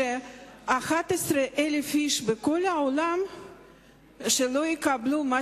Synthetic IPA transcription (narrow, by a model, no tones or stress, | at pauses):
eaχat̪esɾeʔelefiʃbekolaolam | ʃelojikabluma